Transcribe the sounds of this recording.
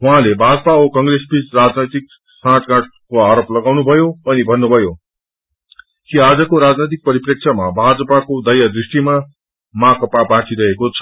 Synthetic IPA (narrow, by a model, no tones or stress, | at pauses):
ɦuɦãlebʱad͡zʌpaokʌŋresbit͡srad͡znʌjt̪ik̚ | sãʈɡãʈ̚koaɾʌplʌɡawnubʱʌjoʌnibʱʌnːubʱʌjo | kiad͡zʌkoɾad͡znʌjt̪̬ik̚pʌɾiprʌk̚sʰamabʱad͡zʌpakod̪ʌjad̪risʈima | mãkʌpabãʈiɾʌɦekot͡sʰʌ̥